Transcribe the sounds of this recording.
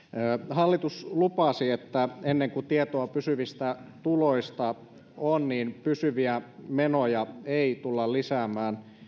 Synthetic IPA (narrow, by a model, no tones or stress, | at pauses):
hɑlːit̪uslupɑsiet̪ːæenːeŋkut̪iet̪oɑpysyʋist̪æt̪uloist̪ɑ | onniːnpysyʋiæmenojɑeit̪ulːɑllisæːmæːn